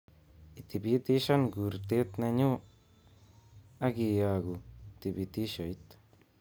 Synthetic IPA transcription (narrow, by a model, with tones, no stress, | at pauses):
i˨t̪i˨bi˦t̪i˦ʃa˦nɡu˨ɾt̪e˦t̪ne˧ɲu˦ | a˦ɡi˧ja˧ɡu˨t̪i˨bi˧t̪i˦ʃo˨jt̪